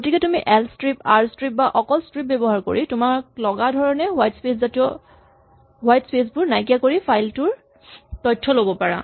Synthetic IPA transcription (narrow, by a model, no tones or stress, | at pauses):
ɡotikɛtumiʔɛlstɹipaɹstɹip̚baʔɔkɔlstɹip̚bɛbɔɦaɹko̰ɹitʊmaɹklɔɡadʱɔɹɔnɛɦwajtspeszatijɔ | ɦwajtspes̬bʊɹnajk̬ijakoɹipʰajltʊɹ | tɔjtʰːɔlobɔpaɹa̰